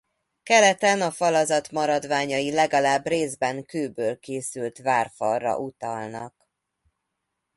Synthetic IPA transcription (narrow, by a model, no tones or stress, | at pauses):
kɛlɛt̪ɛnɒfɒlɒzɒt̪mɒɾɒd̪ʋaːɲɒjilɛɡɒlaːbreːzbɛŋkøːbøːlkeːsylt̪vaːrfɒrːɒ̰ʔut̪ɒlnɒ̰k